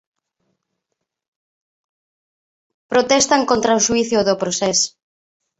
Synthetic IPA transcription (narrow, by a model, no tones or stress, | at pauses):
pɾot̪ɛst̪aŋkont̪ɾaoʃwiθjʊðopɾosɛs